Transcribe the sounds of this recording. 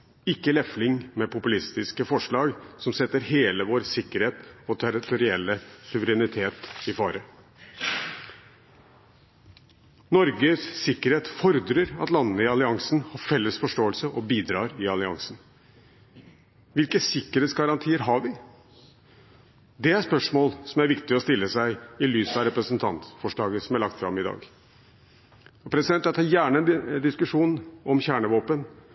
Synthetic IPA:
ɪkːəlɛflɪŋmɛpʊpʉlɪst̪ɪskəfɔʂɭɑːɡsɔmsɛt̪ːəɾɦeːləʋoːɾsɪkːəɾheːt̪ɔt̪ʰæɾɪt̪ʊɾɪɛlːəsʉʋəɾɛnɪt̪ʰeːt̪ɪfɑːɾə | nɔɾɡəsːɪkːəɾheːt̪fɔɾd̪ɾəɾɑ̰t̪lɑnːəɪɑlɪɑŋsnhɑɾfɛlːəsfɔʂʈoːəlsəʔɔbiːd̪ɾɑːɾɪɑlɪɑ̰ŋsn | ʋɪlkəsɪkːəɾeːt̪sɡɑɾɑnt̪ʰiːəɾɦɑɾʋɪ | d̪ɛæɾspœʂmoːlsɔmæɾʋɪkt̪ɪɔst̪ɪlːəsæɪɪlyːsɑɾɛpɾəsənt̪ʰɑ̰nt̪fɔʂɭɑːɡəsɔmæɭɑk̚t̪fɾɑ̰mɪd̪ɑ̰ːɡ | ɔpʰɾɛsɪd̪ɛnt̪ɑt̪ʰɑɾjæːɳəɛnd̪ɪskʉʂuːnɔmçæːɳəʋoːpən

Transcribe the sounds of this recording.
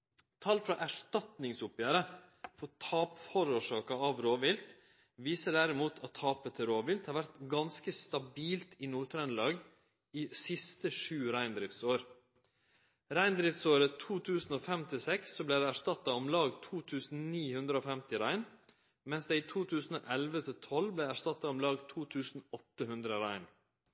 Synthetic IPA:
t̪ʰɑːlfɾɑʔæʂʈ̪ɑt̪nɪŋsʊpjæːɾə | fɔt̪ʰɑːpfɔɾuːʂɑːkɑɑʋɾoːʋɪlt̪ | ʋiːsəɖæɾɪmuːt̪ʰɑt̪ʰːɑːpət̪ʰɪɾoːʋɪlt̪hɑːɾʋæɾt̪ɡɑnskəst̪ɑbiːlt̪ʰinuːt̪ʰɾɛnlɑːɡ | iːsɪst̪əʂʉːɾæɪnd̪ɾɪft̪soːɾ | ɾæɪnd̪ɾɪft̪soːɾət̪ʰuːt̪ʰʉːsn̩oːfɛmt̪ʰɪsɛksːɔblæɪd̪ɛæʂtɑt̪ːɑɔmlɑːɡt̪ʰuːt̪ʰʉːsn̩niːhʉnd̪ɾəoːfɛmt̪ɪɾæɪn | mɛnsd̪ɛit̪ʰuːt̪ʰʉːsn̩o̰ːʔɛlʋət̪ʰɪt̪ʰɔlblæɪæʂtɑt̪ːɑɔmlɑːɡt̪ʰuːt̪ʰʉːsn̩ɔt̪ːəɦʉnd̪ɾəɾæɪn

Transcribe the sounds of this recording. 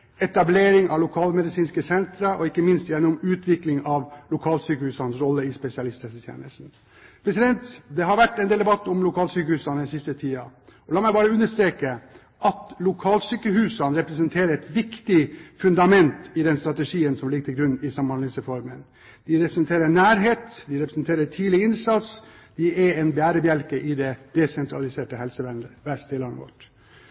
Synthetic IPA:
ɛt̪ɑbleːɾɪŋʔɑʋlʊkʰɑːlmɛd̪ɪsiːnskəsɛnt̪ɾəʔɔɪkːəmɪnst̪jɛnʊmʉːt̪ʰʋɪklɪŋɑʋlʊkʰɑːlsyːkəhʉːsɑnəsɾɔlːəɪspɛsɪɑlɪst̪ɛsət̪ʰjḛːnə̰st̪n̩ | pʰɾɛsɪd̪ɛnt̪d̪ɛɦɑɾʋæʈːɛnd̪eːld̪ɛbɑt̪ːʊmlʊkʰɑːlsyːkəhʉːsɑnɛnsɪst̪ət̪ʰiːɑɔlɑːmɛɪbɑːɾəʉnːəʂt̪ɾeːkə | ʔɑt̪lʊkʰɑːlsyːkəɦʉːsɑnɾɛpɾɛs̬ənt̪ʰeːɾəɾɛt̪ʋɪkt̪ɪfʉnd̪ɑmɛnt̪ɪd̪ɛnst̪ɾɑt̪əʂiːənsɔmlɪɡət̪ʰɪlɡɾʉnːɪsɑmɑnlɪsəfɔɾmən | d̪ɪɾɛpɾəsɛnt̪ʰeːɾənæːɾɦeːt̪d̪ɪɾɛpɾəsnt̪ʰeːɾəʈʰiːlɪɪnsɑt̪s | d̪ɪɛɛnbæːɾəbjælkəʔɪd̪ɛd̪̥ɛsɛnt̪ʰɾɑ̰lɪseːʈəhɛlsəʋænəʋæst̪ɪlɑnə̰ʋɔ̰ʈ

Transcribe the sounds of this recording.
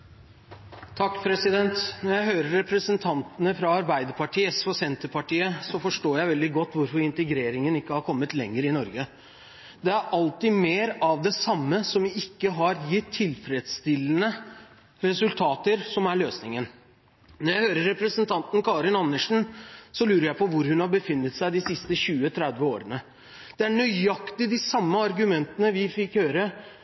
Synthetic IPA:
t̪ʰɑkːpʰɾɛsɪd̪ɛnt̪nɔɾjæɪɦøːɾəːɛpɾəsənt̪ʰɑnt̪ənəfɾɑɑɾbæɪd̪əɾpʰɑʈʰiːəsɔsɛnt̪əpʰɑʈiːəsɔfɔʂʈoːɾjæɪʋɛld̪ɪɡɔt̪ːʋʊɾfɔɾɪnt̪əɡɾeːɾɪŋənɪkːəhɑɾkʰɔmːət̪lɛŋːəɾɪnɔɾɡə | d̪ɛæɾʔɑlt̪ɪmeːɾɑʋd̪ɛsɑmːəsɔmɪɪkːəɦɑɾjɪt̪ʰːɪlfɾɛd̪st̪ɪlːənə | ɾɛsʉlt̪ʰɑːt̪əɾsɔmæɭøːsnɪŋən | nɔɾjæɪhøːɾəɾːɛpɾəsənt̪ʰɑnt̪n̩kʰɑːɾɪnɑnːəʂn̩sɔlʉːɾəɾjæɪpʰɔʋʊɾhʉnhɑɾbəfɪnːət̪sæɪd̪ɪsɪst̪əɕʉːət̪ʰɾɛd̪ʋəoːɾənə | d̪̥ɛæɳœʏɑkt̪ɪd̪ɪsɑmːəɑɾɡʉmɛnt̪ənəʋɪfɪkhøːɾə

